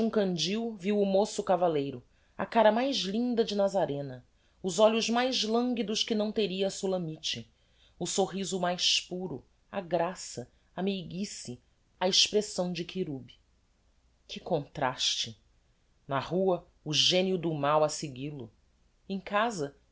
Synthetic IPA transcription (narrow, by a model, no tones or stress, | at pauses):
ũkɐ̃nd͡ʒiwviwʊmosʊkavalejɾʊ | ɐ̰kaɾɐmajʒlĩnd̪ɐd͡ʒɪnazaɾẽnɐ | ʊzɔʎʊʒmajzlɐ̃ŋɡid̪ʊʃkɪnɐ̃w̃t̪eɾiɐːsulɐ̃mit͡ʃɪ | ʊsoɦizʊmajspuɾʊ | aɡɾasɐ | amejɡisɪ | aeʃpɾesɐ̃w̃d͡ʒɪkʰiɾubi̥ | kɪkõnt̪ɾaʃt͡ʃɪ | nɐhuɐ | ʊʒẽnjʊd̪ʊmawɐseɡilʊ | ẽkazɐ